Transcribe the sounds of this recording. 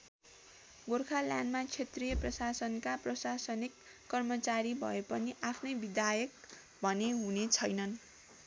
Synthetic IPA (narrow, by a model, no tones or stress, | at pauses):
ɡorkʰaljanmat͡sʰet̪rijʌprʌsasʌnkaprʌsasʌnikː | ʌrmʌt͡saɾibʱʌ̰epʌniʔapʰnʌjbid̪ajʌk | bʱʌneɦunet͡sʰʌjnʌn